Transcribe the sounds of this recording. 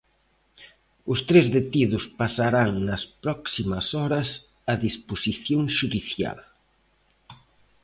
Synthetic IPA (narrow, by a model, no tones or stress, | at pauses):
ʊst̪ɾezðet̪iðʊspasaɾaŋnɐspɾɔksimɐsɔɾɐs | ɐðisposiθjoŋʃuðiθja̰l